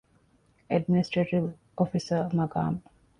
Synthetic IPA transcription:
æɖminisʈɾeʈiʋ | ofisəmɐɡa̰ːm

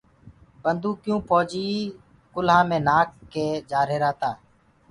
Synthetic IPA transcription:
bənd̪ũːkjũːpʰoːd͡ʒiː | kʊlɦãːmẽːnaːkːeːd͡ʒaːɾeːɾaːt̪aː

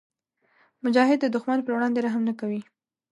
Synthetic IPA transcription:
mʊd͡ʒɑɦɪd̪ːəd̪ʊxmanpəɾwɽɑnd̪eɾaɦamnakawi

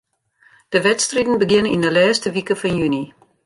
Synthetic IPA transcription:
d̥əʋɛtstridn̩bəɡɪnindəlɛːstəʋikəfɔnjyni

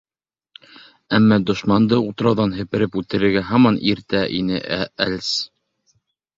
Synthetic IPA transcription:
æmːɑd̪ŏʃmɑnd̪ɤut̪ɤ̆ɾɑwðɑnɦɘ̆pɘ̆ɾɘpʉt̪ɘ̆ɾɘ̆ɾɡæɦɑmɑniɾt̪æʔḭnɘʔæælʲs

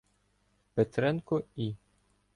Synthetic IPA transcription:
pet̪ɾɛnkɔi

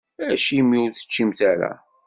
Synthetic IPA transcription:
æʃimiʊɾθə̥t͡ʃːimt̪æɾæ̰

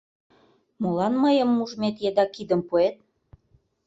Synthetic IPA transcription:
molɑnməjə̆mːuʒmet̪jed̪ɑkid̪ə̆mpuet̪̚

